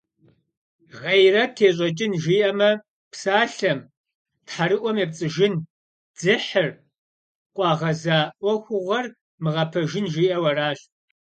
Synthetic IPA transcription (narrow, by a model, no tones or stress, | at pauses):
ʁejrɐtʰeːɕ̬ʼɐt͡ʃʼɪnʒiːʔɐmɐ | psaːɬɐm | tħaɾɨʔʷɔmjɛpt͡sʼɨʒɪn | d͡zɨħər | qʷʼɑːʁɐzaːʔʷɔxʷʊʁʷɐr | mɨʁɐpʰɐʒɪnʒiːʔɐwɐraːɕ